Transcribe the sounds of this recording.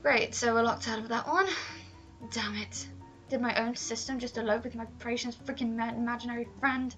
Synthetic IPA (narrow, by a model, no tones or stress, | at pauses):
ɡ̥ɹeɪtsoʊwəlɔk̚tʰaʊɾʌvðəʔwʔʌ̃n | d̥amɪt | d̥ɨd̚maɪʔõʊ̃nsɪstə̃md͡ʒʌstəloʊvwɨðmaɪpʰɹeɪʃɨ̃n̩tfɹɪkɪ̃nmɛɪmad͡ʒɨnɛɹifɹɛ̃nd̥